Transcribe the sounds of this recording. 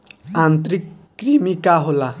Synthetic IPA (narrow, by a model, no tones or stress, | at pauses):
ãnt̪ɾikː | ɾimikaɦola